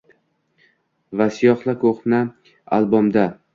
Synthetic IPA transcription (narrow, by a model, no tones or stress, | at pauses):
vasɪjɒχlˠakʰoχna | a̰lˠbɒmd̪a